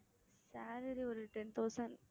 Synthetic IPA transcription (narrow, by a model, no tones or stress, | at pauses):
saːɾɐɾiɔɾɯʈɛnt̪oːsɐn